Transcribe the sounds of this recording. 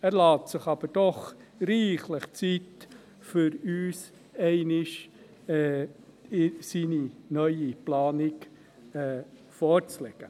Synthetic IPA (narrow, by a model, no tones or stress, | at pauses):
æːɾlɑːtsɪχɑb̥əɾd̥ɔχɾiːχləχt͡sit | fʏɾyːs | ɛɪnɪʃ | ɛ | ɪsiːninœʏiplɑːnɪɡ | ɛː | fɔːɾt͡slɛɡ̥ə